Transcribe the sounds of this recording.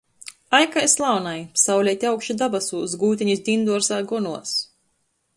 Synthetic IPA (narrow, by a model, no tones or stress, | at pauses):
ajkajslˠawnajsawlʲɛjt̪ʲiawkʃid̪abasuːzɡuːt̪̬ʲiɲizd̪ʲind̪uɔɾsaːɡɔnuɔs